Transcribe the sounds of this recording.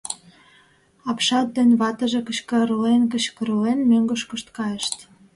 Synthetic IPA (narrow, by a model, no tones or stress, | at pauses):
ɑpʃɑt̪̚d̪enβɑt̪ə̆ʒekət͡ɕkə̆ɾəlenkə̆t͡ɕkə̆ɾəlenmøŋɡə̆ʃkə̆ʃt̪kɑjəʃt̪